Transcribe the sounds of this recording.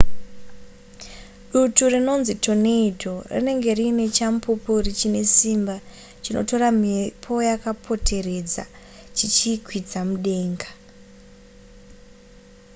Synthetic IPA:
ɗuturino̞nzitʰo̞ne̞ido̞rḭne̞ŋɡe̞rine̞t͡ʃampʰupurit͡ʃine̞simba | t͡ʃino̞̰to̞ɾamipʰo̞jakapʰo̞tʰe̞re̞d͡za̰ | t͡ʃit͡ʃikʰwid͡zamuɗe̞ːŋɡḁ

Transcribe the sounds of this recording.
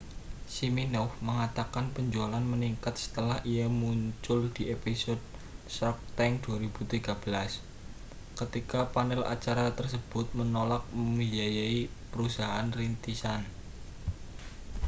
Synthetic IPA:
siminɔfməŋat̪akanpəɲd͡ʒualanməniŋkat̪̚sə̥t̪əlahʔijamuɲt͡ʃʊld̪̥iʔepisɔd̚ | sɔk̚t̪ɛŋd̪̥uaɾib̥ut̪iɡab̥əlas | kət̪ikapanɛla̰t͡ʃaɾat̪ərsəb̥ʊt̪̚mənolak̚məŋijajaipəɾusaɦaanrint̪isan

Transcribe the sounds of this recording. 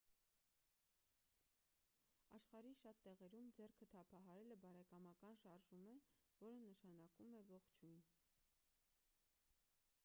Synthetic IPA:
ɑʃχɑɾiʃɑt̪ːɛʁɛɾumd͡zɛrkʰət̪ʰɑpʰɑɦɑɾɛləbɑɾɛkɑmɑkɑnʃɑɾʒumɛ | vɔɾənəʃɑnɑkumɛvɔχt͡ʃʰujn

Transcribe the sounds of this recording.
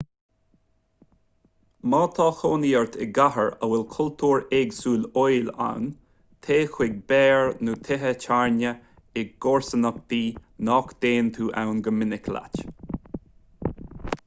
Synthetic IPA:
mɑːt̪ʰɑːxoːniːəɹt̪ʰɪɡaɦəɹəwɪlkʰʊlt̪ʰuːɹɛɡsuːlojla̰wn | t̪ʰeːxwɪɡ̚bɛːɹnuːt̪ʰɛɦət͡ʃʰaɹnə | ɪɡ̚ɡoɹsənək̚d̪̥iːnɔkd̪̥eːnt̪ʰuːʔa̰wnɡəmɪnɪkʰla̰t͡ʃ

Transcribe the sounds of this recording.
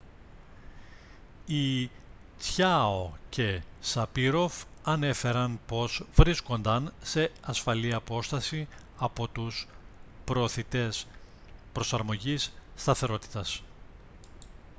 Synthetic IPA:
i | t͡sçaocʰe̞sɐpiɾo̞vɐne̞fe̞ɾɐnpo̞zvɾisko̞nd̪ɐnse̞ɐsfɐliɐpo̞st̪ɐsi | ɐpo̞t̪uspɾo̞ːθit̪e̞s | pɾo̞sɐɾmo̞ʝisːt̪ɐθe̞ɾo̞t̪i̥t̪ɐs

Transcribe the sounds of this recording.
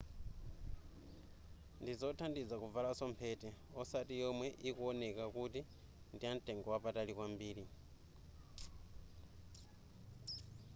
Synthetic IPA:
ndizotʰandid͡zakuvalasompʰetɛ | ɔsatijomwɛʔikuɔnekakuti | ndian̩teŋɡɔwapatalikwambiːli

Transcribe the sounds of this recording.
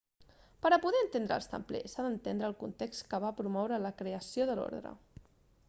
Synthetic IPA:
pəɾəpuðɛənt̪end̪ɾə̰lˠst̪ə̰mplḛsaðənt̪end̪ɾəːlˠkunt̪ekst̪kəβapɾumɔwɾələkɾeəsioðəlo̰ɾðɾə̰

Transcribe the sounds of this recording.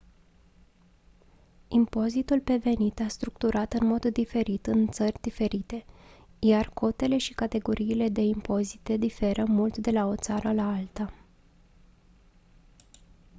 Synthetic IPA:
impo̞zit̪ulpe̞ve̞nit̪ast̪ɾukt̪uɾʔat̪ɨnmo̞d̪ːife̞ɾit̪ɨnt̪sərʲd̪ife̞ɾit̪e̞jarkʰo̞t̪e̞le̞ʃi̥kat̪e̞ɡo̞ɾʔiːle̞d̪e̞impo̞zit̪e̞d̪ife̞ɾəmult̪d̪e̞lao̞t̪saɾəlaalt̪a

